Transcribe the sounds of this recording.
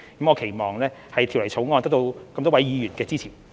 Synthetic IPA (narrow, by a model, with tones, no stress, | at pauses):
kɐ˨˥mɔː˨˧kʰe˨˩jmɔː˨ŋlɛː˥hɐ˨jt̪ʰwlɐ˨˩jt͡sʰo˨˥wŋɔː˧nt̪ɐ˥kt̪o˧wkɐ˧mt̪ɔː˥wɐ˨˥jjiː˨˧ɥyː˨˩nkɛː˧t͡siː˥t͡sʰiː˨˩n